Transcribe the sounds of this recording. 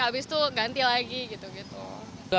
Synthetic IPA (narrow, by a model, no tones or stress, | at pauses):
abɪst̪uɡant̪ilaɡiɡit̪uɡit̪ṵ